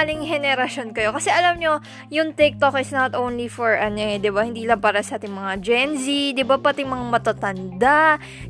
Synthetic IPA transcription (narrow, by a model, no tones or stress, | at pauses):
alɪŋhɛnɛɾɐʃonkɐjo̞kɐsɛʔɐlamɲo̞ | jʊŋt̪ɛk̚t̪okɪsnat̪ʔownlifɔɹʔɐnɛd̪ɪbahɪnd̪iːlɐŋpaːɾɐsɐʔaːt̪ɪŋmɐŋad͡ʒɛnzid̪ɪbapɐt̪ɛmɐŋamɐt̪at̪ɐnd̪aʔ